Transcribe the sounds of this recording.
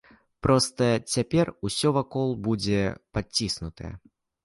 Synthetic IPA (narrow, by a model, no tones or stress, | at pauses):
pɾʔɔst̪ɐt͡sʲapʲɛrusʲɔvakɔlˠbud͡zʲɛpat͡sʲːisnut̪ɐjɛ̰